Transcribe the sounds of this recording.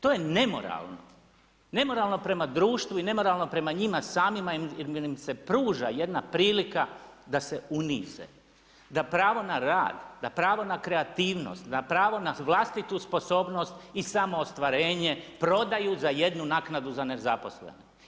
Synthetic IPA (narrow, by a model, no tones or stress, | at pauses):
t̪o̞ːjene̞mo̞̰ɾa̰lˠno̞̰ | ne̞mo̞ɾaːlˠno̞pɾe̞mad̪ɾuːʃt̪ʋuine̞mo̞ɾalˠno̞pɾe̞maɲimasaːmimaimse̞pɾuːʒaje̞d̪napɾiːlikad̪ase̞unḭːzḛ | d̪apɾaːʋo̞naɾa̰ːd̪d̪apɾaːʋo̞nakɾe̞at̪iːʋno̰st̪d̪apɾaːʋo̞naʋlˠast̪it̪uspo̞so̞ːbno̞st̪isamo̞ːst̪ʋaɾeːɲe̞pɾo̞d̪ajuzajed̪nunaːknad̪uzane̞zapo̞slḛno